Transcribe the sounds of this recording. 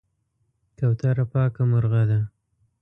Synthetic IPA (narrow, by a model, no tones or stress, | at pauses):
kawt̪aɾapɑːkamʊɾɣad̪a